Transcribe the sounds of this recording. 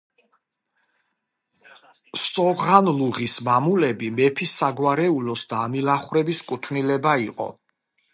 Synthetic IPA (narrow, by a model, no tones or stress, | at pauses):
sʼɔʁanluʁismamulɛbimɛpʰisːaɡwaɾɛulɔsd̪aːmilaχwɾɛbiskʼut̪ʰnilɛbaiqʼɔ̰